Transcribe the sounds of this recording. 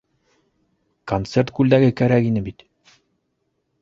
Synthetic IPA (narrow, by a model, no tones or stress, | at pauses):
kont̪se̞rt̪̚kʉld̪æɡɘkæɾækinɘbit̪